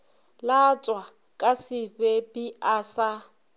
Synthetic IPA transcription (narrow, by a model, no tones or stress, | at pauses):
lat͡sʼwa | kʼasɪbepiasa